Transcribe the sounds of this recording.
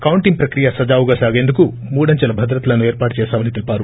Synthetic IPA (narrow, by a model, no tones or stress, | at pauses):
kɐwuɳʈiŋpɾɐkɾijasɐd͡ʒaːʋuɡaːsaːɡe̞ːnd̪uku | muːɽɐɲt͡ʃɐlɐbʱɐd̪ɾɐt̪lɐnueːɾpaːʈut͡ʃɛːsaːʋɐnit̪elipaːɾu